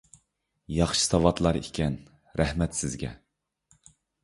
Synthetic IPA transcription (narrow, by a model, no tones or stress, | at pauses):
jɑχʃɨ̥sɑwɑt̪lˠɑɾikʲʰɛn | ɾæhmɛt̪sɪzɡʲɛ̰